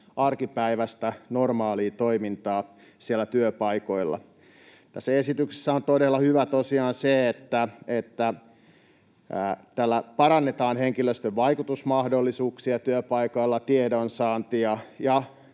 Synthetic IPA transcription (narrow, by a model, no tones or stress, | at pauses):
ɑrkipæiʋæst̪ænormɑːliːt̪oimint̪ɑː | sielːˑæt̪yøpɑikoilːɑ̰ | t̪æsːæesit̪ykse̥sːæont̪odelːɑhyʋæt̪osiɑːnseet̪ːæet̪ːæ | t̪ælːæpɑɾɑnːet̪ɑːnheŋkiløst̪øʋʋɑikut̪usmɑhdolːisuːksiɑt̪yøpɑikoilːɑt̪iedonsɑːnt̪ijɑjɑ